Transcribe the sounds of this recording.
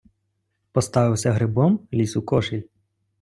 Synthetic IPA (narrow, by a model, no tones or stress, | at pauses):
pɔst̪ɑʋɪwsʲɐɦɾɪbɔmlʲisukɔʃɪlʲ